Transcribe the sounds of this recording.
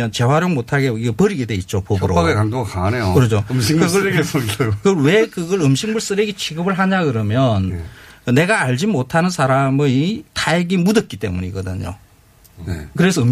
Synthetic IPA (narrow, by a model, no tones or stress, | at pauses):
ʌnt͡ɕe̞waɾjoŋmotʰaɡeiɡepʌɾiɡede̞it̚t͡ɕ͈opoɡɯɾoaɡekandoŋakaanejokɯɾʌd͡ʑoɯmɕiŋeɡeskɯɡɾwe̞kɯɡʌɾɯmɕʰiŋmuɭs͈ɯɾeɡet͡ɕʰiɡɯbɯɭɦaɲakɯɾʌmjʌnɯne̞ɡaːʎd͡ʑimotʰanɯnsʰaɾamɯtajeɡimudʌt̚k͈it͈e̞̰muɲḭɡʌdɯɲo̰ | nekɯɾe̞sʰʌɯm